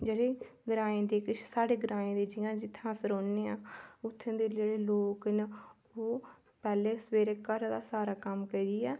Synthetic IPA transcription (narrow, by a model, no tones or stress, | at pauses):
d͡ʒeːɽeː | ɡɾaːẽːd̪eːkɪt͡ʃsaːɽeːɡəɾãːẽːd̪eːd͡ʒɪjãːd͡ʒɪt̪ʰːãːsəɾoːneːãːʊt̪ʰːẽːd̪eːd͡ʒeːɽeːloːkn | oː | pɛːleːsəweːɾeːkəɾd̪aːsaːɾaːkəmkəid̪iːɛː